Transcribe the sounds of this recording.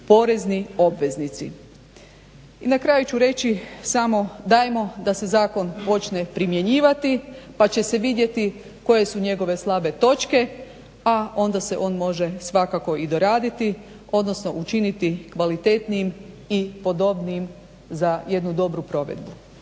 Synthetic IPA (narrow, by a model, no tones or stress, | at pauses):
po̞ɾe̞znio̞bʋe̞znit̪sḭ | inakɾajut͡ʃuɾe̞t͡ɕisamo̞d̪ajemo̞d̪ase̞zaːko̞npo̞t͡ʃne̞pɾimje̞ɲiːʋat̪ipat͡ɕe̞se̞ʋid̪je̞t̪i | ko̞je̞suɲe̞ɡo̞ʋe̞slˠabe̞t̪o̞t͡ʃke̞ | ao̞nd̪ase̞ʔo̞ːnmo̞ʒe̞sʋakako̞id̪o̞ɾaːd̪it̪i | o̞d̪no̞sno̞ʔut͡ʃinit̪ikʋalit̪e̞t̪niim | ipo̞d̪o̞bnijim | zaje̞d̪nud̪o̞bɾupɾo̞ʋḛd̪bu